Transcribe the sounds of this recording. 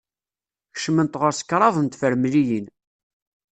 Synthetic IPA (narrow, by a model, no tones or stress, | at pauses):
ç̥ʃmənt̪ʁəɾsə̥kːɾˤɑðˤənt̪fəɾmlijin